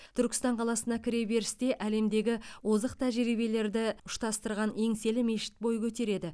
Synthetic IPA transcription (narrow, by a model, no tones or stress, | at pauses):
t̪ʰʏɾkʲɪ̥st̪ɑɴqʰɑlˠɑsənɑkʲʰɪɾe̞be̞ɾɪst̪e̞ʔæle̞md̪e̞ɡʲɪwozəqt̪ʰæʒɾibele̞ɾd̪ɪʊʃt̪ɑst̪əɾʁɑne̞ŋse̞lɪme̞ʃɪ̥t̪̚bo̞jəkʲʰɵt̪e̞ɾe̞d̪ɪ